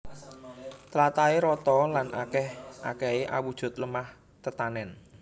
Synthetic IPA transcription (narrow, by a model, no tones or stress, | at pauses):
t̪əlat̪aeɾɔt̪ɔlanʔakɛhʔa̰kɛeʔawud̥ʒ̥ʊ̤t̪̚ləmah | t̪ət̪anɛn